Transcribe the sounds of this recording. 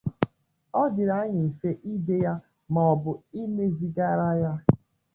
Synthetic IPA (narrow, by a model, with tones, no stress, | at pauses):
ɔ˦dɪ˨ɾa˦ɲɪ˨i˨fe˦ʔi˦de˦ja˦ | mɔ˨ɔ˨bʊ˨i˦ne˦zi˨ɡa˦ɾa˦ja˦